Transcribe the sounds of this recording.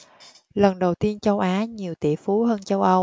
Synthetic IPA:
lə˨˩nɗə˨˩wt̪i˧ənt͡ɕə˧wʔaː˨˦ɲi˨˩əwt̪ḭ˧˨əfu˨˦ɦəː˧nt͡ɕə˧wʔə˧w

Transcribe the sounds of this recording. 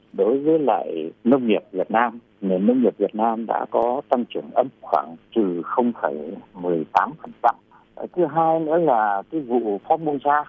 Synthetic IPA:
ɗo˨˦jvəː˨˦jla̰ː˧˨jnə˧wŋ͡mɲi˨˩əp̚vi˨˩ət̚naː˧m | ne˨˩nːə˧wŋ͡mɲi˨˩p̚vi˨˩ət̚naː˧mɗa̰ː˧˥kɔ˨˦t̪a˧ŋt͡ɕɨ˨˧˩əŋʔə˧mxwaː˧˩ŋt͡ɕɨ˨˩xə˧wŋ͡mfaː˧˩jmɨ˨˩əjt̪aː˨˦mfə˨˩nsa̰˧˨m | ə̰˨˩t̪ʰɨ˨˦ɦaː˧jnɨ̰˧˥əlaː˨˩kaː˨˦jvṵ˧˨fɔ˨˦˥mu˧nsaː˧

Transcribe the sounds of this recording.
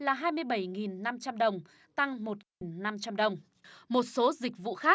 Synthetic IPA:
laː˨˩ɦaː˧jmɨ˧əjɓə˧˩jŋi˨˩nːa˧mt͡ɕa˧mɗə˨˩wŋ͡m | t̪a˧ŋmo˨˩t̚ŋi˨˩nna˧mt͡ɕa˧mɗə˨˩wŋ͡m | mo˨˩t̚so˨˦zï˨˩k̟̚vṵ˧˨xaː˦˥k̚

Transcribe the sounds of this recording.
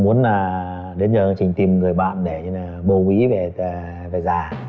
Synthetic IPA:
mu˨˦ənaː˨˩ | ɗe˨˦nzəː˨˩˧t͡ɕï˨˩ŋ̟t̪i˨˩mŋɨ˨˩əjɓa̰ː˧˨nɗe˧˩ɲ˧aː˨˩ɓo˧wi˨˦ve˨˩˨ | ve˨˩zaː˨˩

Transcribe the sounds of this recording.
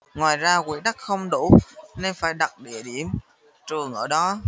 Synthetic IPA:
ŋwaː˨˩jzaː˧kwḭ˧˩˦ɗa˦˥k̚xə˧wŋ͡mɗu˧˩˨ne˧nfaː˧˩jɗa˨˩t̚ɗḭ˧˩əɗḭ˧˩əm | t͡ɕɨ˨˩əŋʔəː˧˩ɗɔ˨˦

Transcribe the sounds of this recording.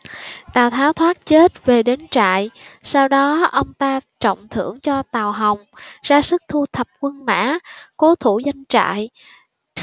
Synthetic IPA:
t̪aː˨˩wt̪ʰaː˨˦wt̪ʰwaː˦˥t̚t͡ɕe˦˥t̚ve˨˩ɗe˨˦nt͡ɕa̰ː˧˨jsaː˧wɗɔ˨˦ʔə˧wŋ͡mt̪aː˧t͡ɕɔ̰˧˨wŋ͡mt̪ʰɨ̰˧˩əŋt͡ɕɔ˧t̪aː˨˩wɦə˨˩wŋ͡mzaː˧sɨ˦˥k̚t̪ʰu˧t̪ʰə˨˩p̚kwə˧nma̰ː˧˥ko˨˦t̪ʰu˧˩za˧jŋ̟t͡ɕa̰ː˧˨j

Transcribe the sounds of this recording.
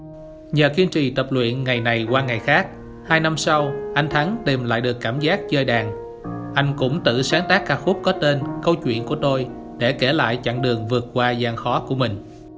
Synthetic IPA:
ɲəː˨˩ki˧ənt͡ɕḭ˨t̪ə˨˩p̚lwḭ˧˨ənŋa˨˩jna˨˩jkwaː˧ŋa˨˩jxaː˦˥k̚ | haː˧jna˧msa˧wʔa˧jŋt̪ʰa˨˦ŋt̪i˨˩mla̰ː˧˨jɗɨ˨˩əkːaː˧˩mzaː˦˥k̚t͡ɕəː˧jɗaː˨˩ŋ | ʔa˧jŋ̟kʊ̰˧˥ŋ͡mt̪ɨ̰˧˨saː˨˦ŋt̪aː˦˥kːaː˦˥k̚fʊ˦˥p̚kɔ˨˦t̪e˧nkə˧wt͡ɕwḭ˧˨ənku˧˩ət̪o˧j | ɗe˧˩ke˧˩la̰ː˧˨jt͡ɕa̰˧˨ŋɗɨ˨˩əŋvɨ˨˩ət̚kwaː˧zaː˧˩ŋxɔ˨˦ku˧˩əmï˨˩ŋ̟

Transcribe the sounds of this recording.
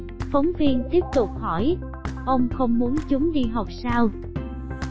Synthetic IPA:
fə˨˦wŋ͡mvi˧ənt̪i˦˥əp̚t̪ʊ˨˩k͡p̚hɔ˧˩j | ʔə˧wŋ͡mxə˧wŋ͡mmu˨˦ənt͡ɕʊ˨˦ŋ͡mɗi˧ɦa˨˩wk͡p̚saː˧w

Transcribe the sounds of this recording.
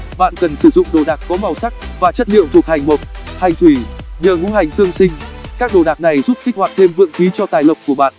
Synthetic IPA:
ɓa̰ː˧˨nkə˨˩nsɨ˧˩zʊ̰˧˨ŋ͡mɗo˨˩ɗaː˨˩kkɔ˨˦ma˨˩wsa˦˥k̚vaː˨˩t͡ɕə˦˥t̚lḭ˧˨əwt̪ʰək̚ha˨˩jŋ̟mo˨˩t̚ha˨˩jŋ̟t̪wi˧˩ɲəː˨˩ŋṵ˧˥ha˨˩jŋ̟t̪ɨ˧əŋsï˧ŋ̟kaː˦˥k̚ɗo˨˩ɗaː˨˩k̚na˨˩jzu˦˥p̚xi˦˥k̟̚hwaː˨˩t̪ʰe˧mvɨ̰˧˨ŋxi˨˦t͡ɕɔ˧t̪aː˨˩jlə˨˩wk͡p̚kːu˧˩əɓa̰ː˧˨n

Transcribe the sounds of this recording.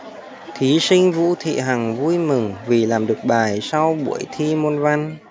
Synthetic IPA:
t̪ʰi˨˦sï˧ŋ̟vṵ˧˥t̪ʰḭ˧˨ɦa˨˩ŋvu˧jmɨ˨˩ŋvi˨˩laː˨˩mɗɨ˨˩ək̚ɓaː˨˩jsa˧wɓṵ˧˩əjt̪ʰi˧mo˧nva˧n

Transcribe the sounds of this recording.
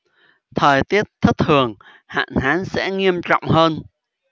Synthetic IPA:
t̪ʰəː˨˩jt̪i˦˥ət̚t̪ʰɨ˦˥t̪ʰɨ˨˩əŋ | ha̰ː˧˨nɦaː˨˦nsɛ̰˧˥ŋi˧əmt͡ɕɔ̰˧˨wŋ͡mɦəː˧n

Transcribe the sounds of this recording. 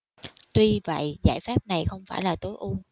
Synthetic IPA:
t̪wi˧və̰˧˨jza̰ː˧˩jfaː˦˥p̚na˨˩jxə˧wŋ͡mfaː˧˩jlaː˨˩t̪o˨˦jʔu˧

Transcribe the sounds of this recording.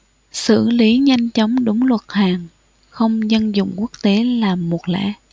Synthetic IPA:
sɨ̰˧˩li˨˦ɲa˧jŋ̟t͡ɕɔ˨˦wŋ͡mɗʊ˨˦ŋ͡mlwə˨˩t̚haː˨˩ŋ | xə˧wŋ͡mzə˧nzʊ̰˧˨ŋ͡mku˦˥ək̚t̪e˨˦laː˨˩mːo˨˩t̚lɛ̰˧˥

